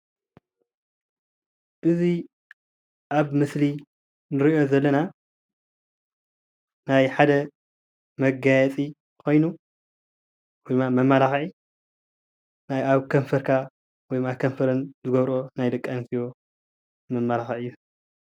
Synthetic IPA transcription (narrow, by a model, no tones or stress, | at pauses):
ʔɨzi | ʔaβmɨsli | nɨɾiʔo̞zɐlːɐna | najħad̪ɐ | mɐɡajɛt͡sʼi | kʰo̞jnu | wɔjmamɐmalaxʕi | najaβkʰɐɱfɐɾkʰa | wɔjmakʰɐɱfɐɾɨnzɨɡɐβɾo̞najd̪ɨkʼːansijo̞ | mɐmːalaxʕʔɨjːu